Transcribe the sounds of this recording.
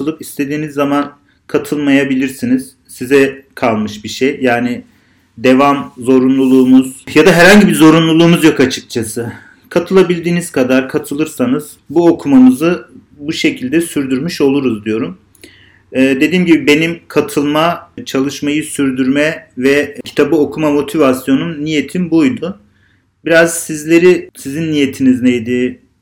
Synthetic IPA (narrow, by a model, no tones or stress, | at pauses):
ɯlˠɯpist̪ʰe̞d̪iːnizːaman | kʰat̪ʰɯlˠmajabilʲiɾsiniz̥ | sizɛkʰalˠmɯʃbiʃejːaːnɪ | d̪e̞vamzo̞ɾunlˠulˠuːmuz̥jad̪aɦɛɾhaɲɟibizo̞ɾunlˠulˠuːmuzjo̞kat͡ʃʰɯ̥k̚t͡ʃʰasɯ | kʰat̪ʰɯlˠabilʲd̪iːniz̥kʰad̪aɾkʰat̪ʰɯlˠɯɾsanɯz̥ | buo̞kʰumamɯzɯ | buʃe̞cʰilʲd̪ɛsyɾd̪yɾmyʃo̞lˠuɾuzd̪ijo̞ɾumː | d̪e̞d̪iːmɟibibe̞nimkʰat̪ʰɯlˠmat͡ʃʰalˠɯʃmajɯsyɾd̪yɾmɛvɛcʰi̥t̪ʰabɯo̞kʰumamo̞t̪ʰivasjo̞nunːije̞t̪ʰinbujd̪ʊ | biɾaz̥sizlʲe̞ɾisizinːijet̪ʰiniznejd̪i